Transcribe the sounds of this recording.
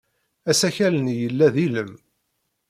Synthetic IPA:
æsæçælənjəlːæðiləm

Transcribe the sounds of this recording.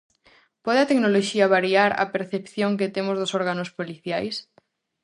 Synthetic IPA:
pɔð̞eat̪eknoloʃiaβaɾiaɾa̰peɾθepθjoŋk̬et̪emʊzðosoɾɣanospoliθjajs

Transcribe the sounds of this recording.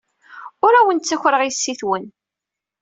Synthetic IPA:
ʊɾæwənt͡sːæçʷɾəʁisːiθwən

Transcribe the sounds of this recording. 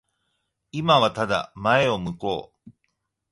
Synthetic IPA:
imaβat̪ad̪a̰mae̞o̞mɯ̟ko̞̰ː

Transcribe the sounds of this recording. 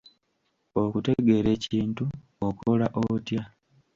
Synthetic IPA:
o̞kute̞ɡe̞ɾe̞ːciːntu | okolaʔotja

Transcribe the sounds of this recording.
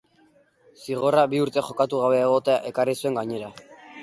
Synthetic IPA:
siɣo̞raβiuɾt̪e̞xo̞kat̪uɣ̞aβe̞ːɣ̞o̞t̪eaʔe̞karisue̞ŋɡaɲe̞ɾa

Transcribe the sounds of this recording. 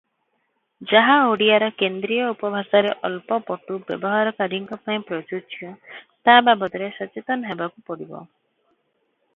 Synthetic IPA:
d͡ʒaɦaoɽiaɾɔkend̪ɾijɔupɔbʱasaɾeʔɔlpɔpɔʈubjɔ̰bɔɦaɾɔkaɖʱiŋkɔpaĩpɾɔd͡ʒut͡ʃʰiɔ̃t̪ababɔt̪ɔɾesɔt͡ʃit̪ɔnɔɦebakupɔɽibɔ̰

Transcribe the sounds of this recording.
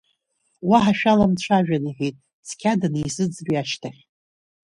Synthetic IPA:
waħaʃᶣalamt͡ɕʷʰaʒᶣaniħejtʼ | skʲʰadanisɨd͡zbiaʃtʰaχʲ

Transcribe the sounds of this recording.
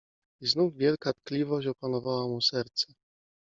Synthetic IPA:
iznuvvʲjɛlkat̪̚klʲivɔɕt͡ɕɔpanɔvawamusɛɾt̪sɛ

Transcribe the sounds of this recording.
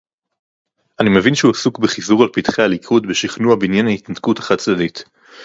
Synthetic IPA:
ʔanime̞vinʃehuasukbeχizuʁalpitχealikʰudbeʃiχnuabeinjanahitnatkutḁχat̚t͡sdadit

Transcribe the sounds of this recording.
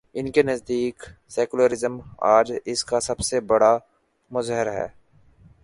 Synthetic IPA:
ɪnkenɐzd̪iːksɛːkʊləɾɪzəma̰ːd͡ʒɪskasɐbsebɐɽa | mʊzɦəɾɦɛ̰ː

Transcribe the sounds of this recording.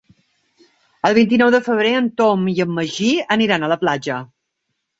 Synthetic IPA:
əlˠβint̪̬inɔwðəfəβ̞ɾeənt̪omiəmːəʒiəniɾanələplad͡ʒə

